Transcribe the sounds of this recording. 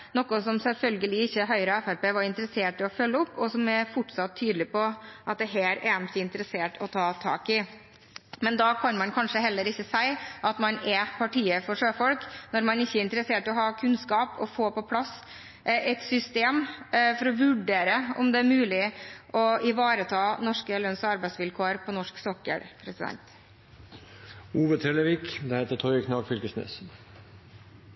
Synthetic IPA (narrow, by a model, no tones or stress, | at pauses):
nɔkːɔsɔmsɛlfœlɡəlɪɪçːəɦœʏɾəɛfæɾpeːʋɑɾɪnt̪əɾəseːʈɪɔfœlːəɔpːɔsɔmɛfʊʈsɑt̪ʰːyːd̪lɪpɔʔɑt̪̚d̪ɛɦæːɾɛmsɪɪnt̪əɾəseːʈɔt̪ʰɑːt̪ʰɑ̰ːkɪ | mɛnd̪ɑkʰɑnmɑnkʰɑnʂəɦɛlːəɾɪçːəsæɪʔɑt̪mɑnɛpʰɑʈiːəfɔʂøːfɔlknɔɾmɑnɪçːəɪnt̪əɾəseːʈɪɔhɑːkʰʉnskɑːpɔ̰foːpɔpʰlɑs | ɛt̪sʏst̪eːmfɔɾɔʋʉɖeːɾəɔmd̪ɛæɾmʉːlɪʔɔɪʋɑːɾət̪ʰɑːnɔʂkəlœnsɔɑɾbæɪsʋɪlkʰoːəɾpʰɔnɔʂksɔkːə̰ɾpʰɾɛsɪd̪ɛ̰nt̪ | uːʋət̪ʰɾɛləʋɪːkd̪ɛheːt̪ət̪ʰɔʏkʰnɑːɡfʏlkəsnø̰ːs